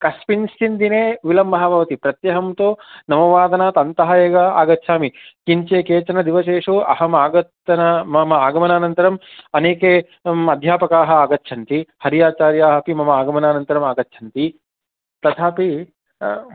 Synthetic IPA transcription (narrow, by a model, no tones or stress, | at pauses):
kɐspinst͡ʃind̪ineːʋilɐmbʱɐɦɐbʱɐʋɐt̪ipɾɐt̪jɐːɦɐmt̪oːnɐmɐʋaːd̪ɐnat̪ɐnt̪ɐɦɐeːɡɐa̰ːɡɐt̪ːʃʰaːmikiɲt͡ʃeːkeːt͡ʃɐnɐd̪iʋɐʃeːʂoːʔɐ̰ɦɐmaːɡɐt̪ːɐnɐmɐmɐaːɡɐmɐnaːnɐnt̪ɐɾɐmɐneːke | ɐd̪ʱjaːpɐkaːɦɐ̆aːɡɐt̪ːʃʰɐnt̪ihɐɾijaːt͡ʃaːɾjaːɦɐpimɐmɐaːɡɐmɐnaːnɐnt̪ɐɾɐmaːɡɐt̪ːt͡ʃʰɐnt̪i | t̪ɐt̪ʰaːpi